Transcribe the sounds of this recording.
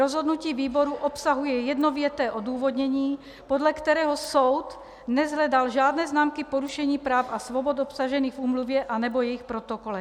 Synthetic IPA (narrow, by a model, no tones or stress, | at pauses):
ɾozɦod̪nuciːviːboɾuʔopsaɦujɛjɛd̪novjɛt̪ɛːʔod̪uːvod̪ɲɛɲiː | podlɛkt̪ɛɾɛːɦosowt̪ | nɛzɦlɛdalʒaːd̪nɛːznaːmkɪpoɾuʃɛɲiːpɾaːfasvobot̪opsaʒɛniːxɣvuːmluvjɛʔanɛbojɛjɪxpɾot̪okolɛ